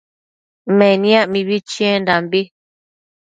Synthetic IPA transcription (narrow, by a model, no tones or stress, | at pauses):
mɛnjaʔmibit͡ʃiɛ̃ndambi